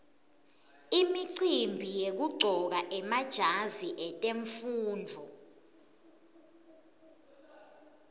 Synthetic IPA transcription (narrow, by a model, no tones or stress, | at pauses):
imiǀimbʱijek̬uɡ͡ǀʱɔk̬aʔɛmad̥ʒ̥ʱaziʔɛtʼeɱfuːnd͡vʱɔ